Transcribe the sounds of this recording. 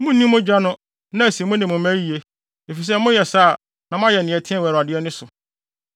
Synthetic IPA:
mʊ̃˦n˦nːĩ˦mʊ̃˦d͡ʑᶣa˦nʊ̃˦ | nã˦æ˨si˨˦mʊ̃˦nɪ̃˨mʊ̃˨˦mæ̃˦ji˨e˦ | e˨fi˨s̬ɛ˦mʊ̃˦jɛ˨saː˦˨ | nã˨m̃˦ã˦jɛ˨nɪ̃˨ɛ˨tʰɪ̃˦ɛ˦˨wɛ˨ɾa˨dɪ˦ɛ˦nɪ̃˦sʊ˨

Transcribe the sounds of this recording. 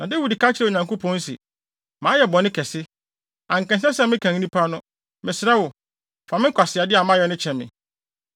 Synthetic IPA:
nã˨de˦wu˦˨di˨ka˦t͡ɕʰɪ˦ɾɛ˨ɲã˨ŋko˦pʰɔ̃˨˦n̩˦sɪ̰˨ | mãː˨˦jɛ˨bɔ˨nɪ̃˦kʰɛ˨sɪ˦ | ã˨ŋ̩˨kɛ̃˨nsɛ˦sɛ˦mɪ̃˦kʰã˨ŋ˦nĩ˦pʰa˦nʊ̃˦ | mɪ̃˨sɪɾa˦wʊ˨ | fã˨mɪ̃˦kʷʰa˨sɪ˨a˨dɪ˦a˨mã˦jɛ˦nɪ̃˦t͡ɕʰɛ̃˨mɪ̰̃˨

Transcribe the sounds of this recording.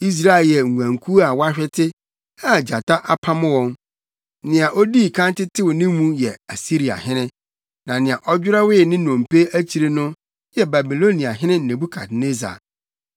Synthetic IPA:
i˦s̬ɾa˦e˨ljɛ˨ŋ˨ɡʷã˨ŋkʰu˦a˨wa˦ɕᶣɛ˦tʰɪ˦ | a˨d͡ʑa˨ta˦ʔa˦pʰa˦mʊ̃˦wɔ̃˦n | nɪ̃˨a˨ʔo˦diː˦˨kʰã˦ntɪ˦tʰɪ˦wʊ˨nɪ̃˦mũ˦jɛ˨a˨si˦ɾi˨a̰˨hɪ̃˦nɪ̃˦ | nã˨nɪ̃˨ã˨ʔɔ˦d͡ʑᶣʊ˦ɾa˦wɪ˦˨nɪ̃˦nɔ̃˨m˨pʰe˦æ˦t͡ɕʰi˨ɾe˦nʊ̃˦ | jɛ˦ba˨bi˨lo˦nĩ˨a˨ɦɪ̃˦nɪ̃˦n̩˨nẽ˨bu˦kʰa̰˨tne˦za̰˨

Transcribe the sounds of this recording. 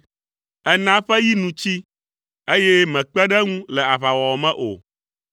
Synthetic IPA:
ɛ˦nã˦ɸɛ˦ji˦nũ˨t͡ɕi˦ | e˦jɛ˦mɛ̃˨k͡pɛ˦ɖɛ˦ŋũ˦lɛ˨a˨βa˨wɔ˨mɛ̃˦ʔo̰˨

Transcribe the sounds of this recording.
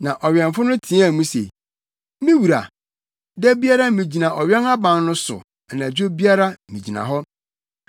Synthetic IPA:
nã˨ʔɔ˨ɥɛ̃˨ɱfʊ˦nʊ̃˦tʰĩ˦ã˦˨mũ˦sḛ˨ | mĩ˦wu˨ɾa̰˨ | dɛ˦bi˦a˦ɾa˦mĩ˨d͡ʑi˨nã˨ʔɔ˨ɥɛ˦na˦bã˨nnʊ̃˦sʊ̰˨ | nã˨d͡ʑᶣo˦bi˦a˦ɾa˦mḭ̃˨d͡ʑi˨nã̰˨ɦɔ˦

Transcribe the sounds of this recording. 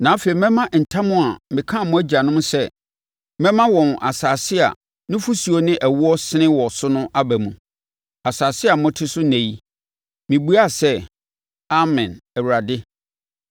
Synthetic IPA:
nã˨˦fe˨i˨mɛ̃˦mã˦n̩˨tʰã˦mʊ̃˦a˨mɪ̃˨kʰã˦˨mʊ̃˦æ˦d͡ʑa˨nʊ̃˦m˦sɛ˦ | mɛ̃˦mã˦wɔ̃˨n˨ʔa̰˨saː˨sɪ˦a̰˨ | nʊ̃˦fu˦si˨o˨nɪ̃˦ʔæ˨wu˦ɔ˦sɪ˦nɪ̃˦wɔ˨sʊ˦nʊ̃˦ʔa˦bæ˨mũ˨ | a˨saː˨sɪ˦a˨mʊ̃˦tʰɪ˦sʊ˦næ̃˨ji˦ | mɪ̃˨bu˦a˦˨sɛ˦ | a˦mɪ̃˨nɛ˨wu˨ɾa˨dɪ˦

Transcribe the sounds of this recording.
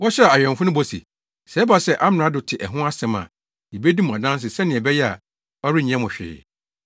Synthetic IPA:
wɔ˦ɕᶣɛ˦a˨a˨jᶣɛ̃˨ɱ˨fʊ˦nʊ̃˦bo˦sḭ˨ | sɛ˨˦ba˨sɛ˦ʔa˦m˨ɾa˨˦dʊ˨tʰɪ˨ʔɛ˨ɦʊ̃˦a˦sɛ̃˨˦mã̰˨ | i˨be˦di˦mʊ̃˨a˨dã˦n˦s̬ɪ˨sɛ˦nɪ̃˨ɛ˨bɛ˦jɛ˦a˨ | ɔ˦ɾɪ˦ɲ˨˦ɛ̃˦mʊ̃˨ɕᶣɪ̰ː˨˦

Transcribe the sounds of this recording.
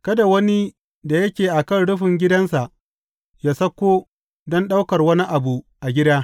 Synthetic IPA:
kɐ˦da˨wɐ˦ni˦ | da˨jɐ˦kʲeː˨ʔa˨kɐ˦˨nɽʊ˦ɸɪ˨ŋɡʲɪ˦dɐ˦nsa˨ʔ | jaː˦sɐ˦kʷːoː˦ | dɔ˦nɗa˦wkɐ˨rwɐ˦ni˦ʔa˨bu˨ | ʔa˨ɡʲɪ˦daː˦

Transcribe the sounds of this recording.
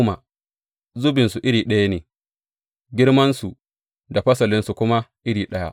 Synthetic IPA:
ma̰˨ | zʊ˦bɪ˨nsu˨ʔɪ˦ɽiː˨ɗɐ˦ja˦neː˨ | ɡʲɪ˦ɽmɐ˦nsu˨ | da˨ɸɐ˦sɐ˨lɪ˦nsu˨kʷʊ˦ma˦ʔɪ˦ɽiː˨ɗɐ˦ja̰˦ʔ

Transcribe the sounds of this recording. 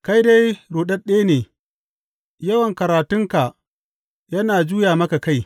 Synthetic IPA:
ka˦jda˦jɾoː˨ɗɐ˦ɗeː˦neː˨ | jɐ˦wɐ˨ŋkɐ˨ɾaː˨tʊ˦ŋka˨ | jɐ˦naː˨d͡ʒuː˦jaː˨mɐ˦ka˨ka˦˨j

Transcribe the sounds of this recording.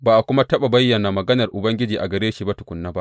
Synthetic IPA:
baː˨ʔa˨kʷʊ˦ma˦tɐ˦ɓa˨bɐ˦jːɐ˨na˨mɐ˨ɡɐ˦nɐ˨rʔʊ˨bɐ˦ŋɡʲɪ˦d͡ʒiː˨ʔa˨ɡɐ˨ɾeː˦ʃiː˨ba˦tʊ̥˨kʷʊ˨˦nːaː˦ba˦ʔ

